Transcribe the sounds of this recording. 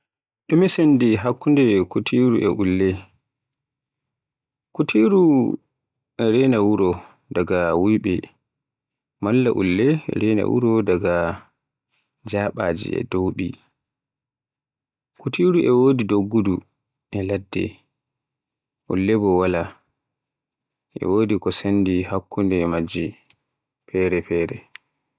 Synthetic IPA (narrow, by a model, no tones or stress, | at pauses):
ɗumisendiɦakːundɛkutʰiɾuʔɛʔulːɛ | kutʰiɾu | ɛɾɛnawuɾɔ | daɡawujɓɛ | malːa̰ʔṵlːɛ̰ɾɛna̰wṵɾɔdaɡa | d͡ʒaɓaːd͡ʒḭɛ̰dowɗi | kutiɾuʔɛwoːdidoɡːudu | ʔɛladːɛ̰ | ʔṵlːɛbɔwala | ʔɛ̰woːdikɔsandihakʰːundɛmad͡ʒi | pʰɛːɾɛpɛːɾɛ